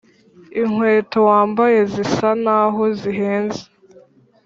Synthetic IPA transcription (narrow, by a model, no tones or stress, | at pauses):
iŋweːtowaːmbaje̞zisanaɦoziɦeːnze̥